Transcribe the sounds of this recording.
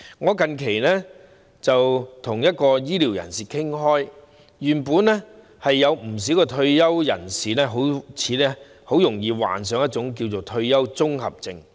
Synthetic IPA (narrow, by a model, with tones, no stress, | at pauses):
ŋɔː˨˧kɐ˨nkʰe˨˩jlɛː˥ | t͡sɐ˨wt̪ʰʊ˨˩ŋjɐ˥t̚kɔː˧jiː˥liː˨˩wjɐ̰˨˩nsiː˨kʰɪ˥ŋɦɔː˥j | jyː˨˩npuː˨˧nlɛː˥ | hɐ˨jːɐ˨˧wm̩˨˩s̬i˨˥wkɛː˧t̪ʰɵ˧ɥjɐ˥wjɐ̰˨˩nsiː˨˩lɛː˥ɦo˨˥wt͡sʰiː˨˧lɛː˥ | ho˨˥wjʊ˨˩ŋjiː˨˧wa̰ː˨˩ns̬œː˨˧˥ŋjɐ˥t̚t͡sʊ˨˥ŋk̬i˧wt͡so˨˩wt̪ʰɵ˧ɥjɐ˥wt͡sʊ˥ŋhɐ̰˨p̚t͡sɪ˧ŋ